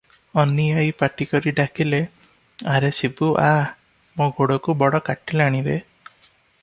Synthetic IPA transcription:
ɔniajpaʈikɔɾiɖakile | aɾesibuʔa | mõɡoɽɔkubɔɽɔkaʈileaɽ̃iɾe

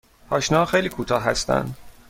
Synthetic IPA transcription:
ɒːʃnɒːxejliːkʰuːt̪ʰɒːɦæst̪æ̰nd̪̥

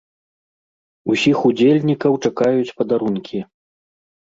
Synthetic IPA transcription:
usʲixud͡zʲelʲnʲikɐwt͡ʂakajut͡sʲpɐd̪aɾunkʲʰi

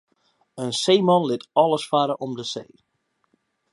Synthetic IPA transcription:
ənseːmɑnlɪtɔlˠəsfaɾəʔɔmdəsḛː

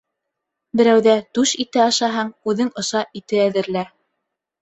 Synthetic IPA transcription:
bɘ̆ɾæwðæt̪ʉʃit̪ɘɑʃɑɦɑɴʉðɘŋɤ̆ʃɑit̪ɘæðɘ̆ɾlæ

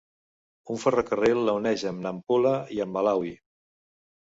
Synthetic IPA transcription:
uɱfərəkərelːəunɛʒəmnəmpuləiəmːəlawi

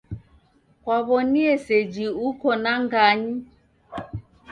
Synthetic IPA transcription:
kwaβɔniɛsɛd͡ʒiukɔnaŋɡaɲi

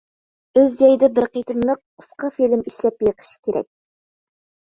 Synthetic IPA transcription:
øzd͡ʒɑjɪd̪ɛbɪɾqet̪ʰɪnlˠəq̚ʰ | ʊ̥sqɑfilɪmiʃlɛpjəqʰə̥ʃi̥kʲʰeɾɛ̰k̚ʲ

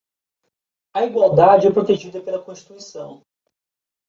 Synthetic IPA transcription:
ɐiɡwawd̪ad͡ʒɪɛpɾot̪eʒid̪ɐpelɐkõʃt͡ʃi̥t̪uisɐ̃w̃

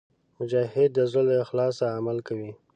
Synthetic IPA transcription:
mʊd͡ʒahɪd̪ːəzolexlɑsaːmalkawi

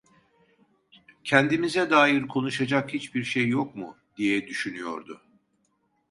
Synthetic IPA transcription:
cʰɛnd̪imizɛd̪aːjiɾkʰo̞nuʃad͡ʒakhit͡ʃbiɾʃejːok̚mʊ | d̪̥ijɛd̪yʃynyjo̞̰ɾd̪ʊ

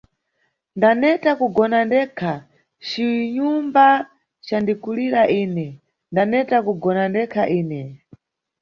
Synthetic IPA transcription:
ndanɛtakuɡɔnandɛkʰa | t͡ʃiɲumba | t͡ʃandikuliɾaʔiːnɛ | ndanɛtakuɡɔnandɛkʰaʔiːnɛ

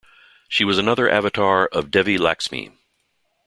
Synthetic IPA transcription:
ʃiwʌzənʌðə˞ʔæ̰vɨtʰɑɹʌvdɛvilæ̰ksmḭ

